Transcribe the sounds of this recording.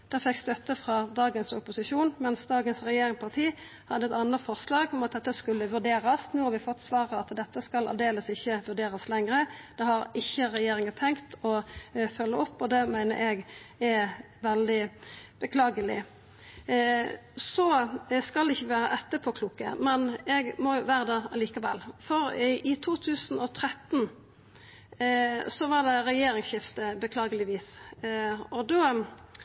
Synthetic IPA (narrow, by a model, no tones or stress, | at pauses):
d̪̥ɛːʁfɛkːst̪œt̪ːəfʁɑd̪ɑːɡənsɔpʊsɪʂuːnmɛnsd̪ɑːɡənsʁɛjeːɾɪŋpʰɑʁt̪ʰiː | hɑd̪ːəɛt̪ɑnət̪fɔʁslɑːɡɔmɑt̪̚d̪ɛt̪ːəskʉlːəʋʉʁd̪eːɾɑsnuːhɑɾʋɪfɔt̪ːsʋɑːʁəɑt̪d̪ɛt̪ːəskɑlɑ̰ʋd̪eːləsɪçːəʋʉʁd̪eːɾɑslɛŋʁəd̪̥ɛhɑɾɪçːəʁɛjeːɾɪŋət̪ʰɛŋkt̪ɔfœlːəɔpːɔd̪ɛmæɪnə̰ɾɛɡɛ | ʋɛld̪ɪb̥əkʰlɑːɡəlɪ̰ | sɔskɑlɛɪçːəʋæːɾəʔɛt̪ːəpʰɔkʰluːkə̰mɛnɛɡmɔjʊʋæːɾəd̪ɛɑliːkɑʋɛ̰lːfɔɾɪt̪ʰuːt̪ʰʉːsnɔt̪ʰɾɛt̪n̩ | sɔʋɑʁd̪ɛɾɛjeːɾɪŋsɕɪft̪əbəkʰlɑːɡəlɪʋiːs | ɔd̪oː